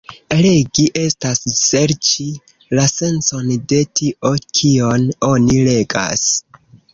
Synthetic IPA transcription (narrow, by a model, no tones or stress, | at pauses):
ɾeɡiʔe̞stasse̞ɾt͡ʃi | lase̞nso̞nde̞tiʔo̞kʰio̞no̞nile̞ɡa̰s